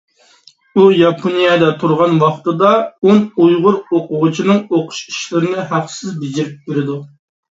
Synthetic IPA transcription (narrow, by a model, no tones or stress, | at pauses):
ujɑpʰonijɛd̪ɛt̪ʰuɾʁɑnwɑχt̪ɨd̪ɑonujʁʊɾoqʊʁʊt͡ʃʰinɨŋoqʰʊ̥ʃi̥ʃlɪɾɪnɪɦæqsɪzbɪd͡ʒiɾɪp̚kʲeɾɪd̪u